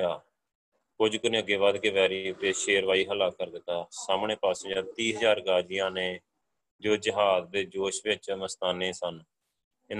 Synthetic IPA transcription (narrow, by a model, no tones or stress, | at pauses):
aː | kʊd͡ʒkənĩːəɡːeːβaːd̪keːʋɛːɾiːʊt̪eːʃeːɾʋaːiːɦəlaːkəɾd̪ɪt̪ːaːsaːmɳeːpaːsed͡ʒãːt̪iːɦəzaːɾɡaːd͡ʒɪjãːneː | d͡ʒoːd͡ʒɪɦaːzd̪eːd͡ʒoːʃʋɪt͡ʃnəst̪aːnẽːsən | ɪn